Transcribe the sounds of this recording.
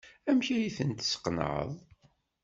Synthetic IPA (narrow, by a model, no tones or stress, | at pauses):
æmçijiθənt̪sə̥qnə̰ʕə̰ðˤ